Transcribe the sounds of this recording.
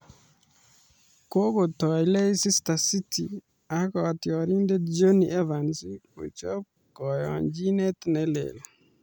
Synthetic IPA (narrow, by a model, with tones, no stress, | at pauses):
ko˦ko˨tɔ˨jle˦si˦stasi˦ti | a˦kɔtjɔ˨ɾi˦nde˦d͡ʒo˦niɛ˦va˨nsiko̰˨t͡ʃɔ˦p̚ | kɔ˨jɔ̰ɲd͡ʒi˦ne˦t̪nɛ˦lḛ˨l